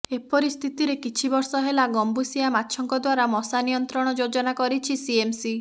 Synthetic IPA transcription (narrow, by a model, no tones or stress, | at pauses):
epɔɾist̪ʰit̪iɾekit͡ʃʰibɔɾsɔɦelaɡɔmbusiamatːʃʰɔŋkɔd̪waɾamɔsanijɔnt̪ɾɔɽ̃ɔd͡ʒod͡ʒɔnakɔɾit͡ʃʰisiemsi